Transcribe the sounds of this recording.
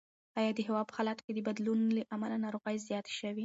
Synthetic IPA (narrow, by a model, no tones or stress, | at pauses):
ɑjɑd̪əɦɪwɑd̪̚pə̥halɑt̪o̥ked̪əbad̪lunləʔamalanɑɾoɣəjzjɑt̪e̥ʃəwi